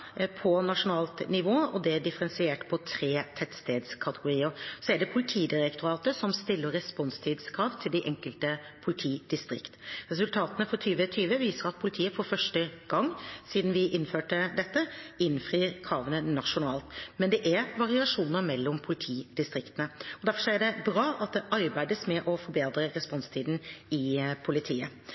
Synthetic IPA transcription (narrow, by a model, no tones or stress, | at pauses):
pʰɔnɑʂʊnɑːlt̪nɪʋoːɔd̪ɛɖɪfəɾɛnsɪeːʈpʰɔt̪ʰɾeːt̪ʰɛt̪st̪eːd̪skʰɑt̪əɡʊɾiːəɾsɔæɖɛpʰʊlɪt̪ʰiːd̪ɪɾɛkt̪ʊɾɑːt̪əsɔmst̪ɪlːəɾɾɛspɔnst̪ʰiːd̪skʰɾɑːʋt̪ʰɪld̪ɪʔɛŋkəlt̪əpʰʊlɪt̪ʰiːd̪̥ɪst̪ɾɪkt̪ɾɛsʉlt̪ʰɑːt̪ənəfɔɾt̪ʰyːʋət̪ʰyːʋəʋiːsəɾɑt̪̚pʰʊlɪt̪ʰiːəfɔɾfœʂʈəɡ̥ɑŋːsiːd̪n̩ʋɪʔɪnføːʈəd̪ɛt̪ːəɪnfɾiːɾkʰɾɑːʋənənɑʂʊnɑːlt̪mɛnd̪ɛʔæɾʋɑɾɪɑʂuːnəɾmɛlːɔmpʰʊlɪt̪ʰiːd̪ɪst̪ɾɪkt̪ənəɔd̪æɾfɔsæɖɛbɾɑːʔɑt̪̚d̪ɛʔɑɾbæɪd̪əsmɛʔɔfɔɾbeːd̪ɾəɾɛspɔnst̪ʰiːd̪n̩ɪpʰʊlɪt̪ʰiːə̰